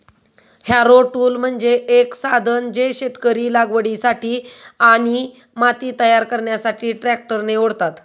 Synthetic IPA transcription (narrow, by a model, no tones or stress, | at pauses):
hjaɾoʈuːlm̤əɳd͡ʑeeksad̪ʱənd͡ʑeɕet̪kəɾiːlaɡʋəɽisaʈiːaɽ̃i | mat̪iːt̪əjaɾkəɾɳjasaʈiːʈɾæk̚ʈəɾneoɽt̪at̪